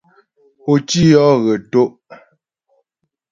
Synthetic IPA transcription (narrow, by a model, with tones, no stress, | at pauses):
o˨t͡ʃi˦jɔ˦ɣə˨to˦ʔ